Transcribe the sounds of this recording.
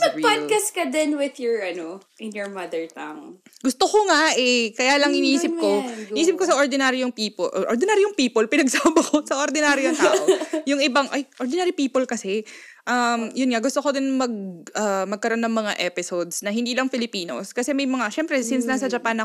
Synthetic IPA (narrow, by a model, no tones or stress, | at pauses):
sɐpad̪̚kaskɐd̪ɪnwɪðjɔɹɐnoʔɪnjɔɹmɐd̪ɛɹt̪ɐŋɡ̥ʊst̪okoŋaʔɛkɐjaːlɐŋʔɪniːsɪp̚koʔɪʔiːsɪp̚kosɐʔoɹd̪ɪnaːɾɪjʊŋpiːpoʔʔoɾd̪ɪnaːɾɪjʊŋpiːpolpɪnɐɡsaːbɐkosɐʔoɾd̪ɪnaːɾɪjʊŋt̪aːʔjʊŋʔɪbaŋʔɐjʔoɾd̪ɪnaːɾipiːpolkɐsɛ | ʔɐmjʊnŋaɡʊst̪okod̪ɪnmɐɡ̚ʔamɐɡ̚kɐɾoʔo̞nːɐŋmɐŋa̰ʔɛpɪsod̪snɐhɪ̃nd̪iːlɐŋfɪlɪpiːno̰skɐsɛmɐjmɐŋaʃɛmpɾɛsɪnsnasɐd͡ʒɐpanɐ